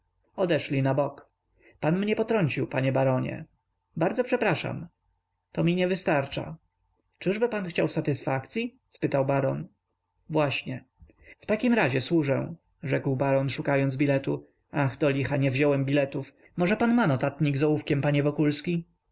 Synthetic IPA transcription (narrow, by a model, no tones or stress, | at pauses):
ɔd̪ɛʂlʲinabɔk | panmɲɛpɔt̪ɾɔɲt͡ɕiwpaɲɛbaɾɔɲɛ̰ | baɾd̪ɔpʂɛpɾaʂa̰m | t̪ɔmʲiɲɛvɘst̪aɾt͡ʂa̰ | t͡ʂɘʐbɘpanxt͡ɕawsat̪ɘsfakt̪sʲji | spɘt̪awbaɾɔn | vwaɕɲɛ | ft̪akʲimɾaʑɛswuʐɛ̰̃ | ʐɛkwbaɾɔnʂukajɔnd̪zbʲilɛt̪u | axd̪ɔlʲixaɲɛvʑɔwɛmbʲilɛt̪uf | mɔʐɛpanmanɔt̪at̪ɲiɡzɔwufkʲɛmpaɲɛvɔkulskʲi